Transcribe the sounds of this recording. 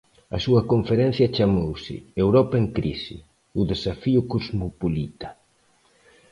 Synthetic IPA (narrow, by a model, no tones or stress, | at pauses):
ɐ̰suɐkoɱfeɾɛ̃n̟θjɐt͡ʃamowsɪ̰ewɾɔpɐeŋkɾḭsɪ̰ | ʊðesafiʊkozmopolit̪ɐ̥